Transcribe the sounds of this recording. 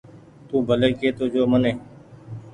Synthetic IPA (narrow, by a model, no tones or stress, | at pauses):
t̪ũːbʱəleːkeːt̪oːd͡ʒoːməneː